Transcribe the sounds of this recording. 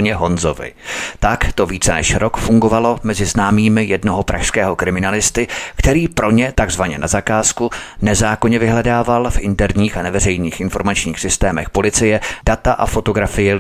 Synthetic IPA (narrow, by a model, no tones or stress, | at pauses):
ɲɛɦo̞nzo̞vɪ̰t̪akt̪o̞viːt͡sɛnɛ̰ʃɾo̞kfuŋɡo̞valo̞mɛzɪznaːmiːmɪjɛdno̞ɦo̞pɾʔa̰ʃskɛːɦo̞kɾɪmɪnalɪst̪ɪkt̪ɛɾiːpɾo̞ɲɛt̪aɡzvaɲɛnazakaːskunɛzaːko̞ɲɛvɪɦlɛdaːvalfʔɪnt̪ɛɾɲiːxanɛvɛrɛjniːxʔɪnfo̞ɾmat͡ʃɲiːxsɪst̪ɛːmɛxpo̞lɪt͡sɪjɛd̥at̪aʔa̰fo̞t̪o̞ɡɾafɪjɪ